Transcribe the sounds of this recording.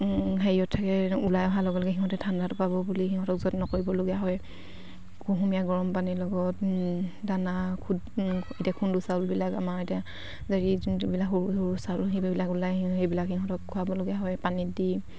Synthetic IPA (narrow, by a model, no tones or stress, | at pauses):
ɦeiɔtʰːakɛulajɔɦalɔɡɛlɔkɛɦiɦɔtɛtʰandatʊpabɔbuliɦiɦɔtɔk̚zɔtnɔkoɹibɔloɡɛjaɦɔj | kuɦumijaɡɔɹɔmpanilɔɡɔtdanakʰudetiakʰundusalbilakamaɹetia | zaɹibilakɦoɹuhoɹusalɦebbilakulajɦejbilakhiɦɔtɔkʰːuabɔloɡɛjaɦɔjpanidi